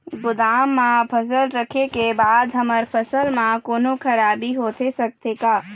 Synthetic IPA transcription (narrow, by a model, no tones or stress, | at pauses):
ɡʊd̪aːmːãpʰəsəlɾəkʰekebaːd̪ɦəməɾpʰəsəlmãkoːnokʰəɾaːbiɦoːt̪esək̚t̪ekaː